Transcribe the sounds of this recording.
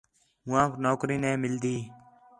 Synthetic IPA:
mʊãːknoːkɾiːnɛ̃ːmɪld̪iː

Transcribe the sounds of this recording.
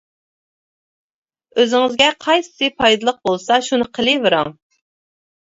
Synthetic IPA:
øzɪŋɪzɡʲɛqʰɑjsɪ̥sɨpʰɑjd̪ɨlˠəq̚bolˠsɑʃunɨqʰəlˠɨvɨɾɑŋ

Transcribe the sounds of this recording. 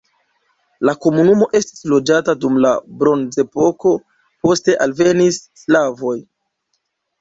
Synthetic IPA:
lako̞munumo̞ʔe̞sti̥slo̞d͡ʒatadumla̰bɾo̞nze̞po̞ko̞ | po̞ste̞ʔalve̞nisːlavo̞j

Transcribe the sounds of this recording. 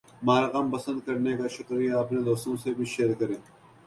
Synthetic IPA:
maːɾɣampəsə̃nd̪̚kɐɾnekaːʃʊkɾijaɐpneːd̪oːst̪õːsebʱiʃeːɾkɐɾẽː

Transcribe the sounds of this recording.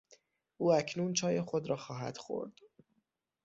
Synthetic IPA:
ʔuːæcʰnuːnt͡ʃʰɒːje̞xo̞d̪ɾɒːxɒːɦæ̰d̪̥xo̞̰ɾd̪̥

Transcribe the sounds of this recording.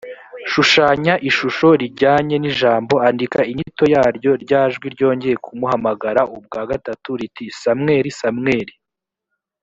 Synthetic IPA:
ʃuʃaːɲaʔiʃuʃo̞ɾiɟaːɲe̞niʒaːmbo̞andikaiɲito̞jaːɾjo̞ɾɟaːʒɡwiɾɟo̞ːɲɟe̞jekʰumuhamaɡaɾaʔub̚ɡaːɡatatuɾitisamŋe̞ːɾisamŋe̞ːɾi

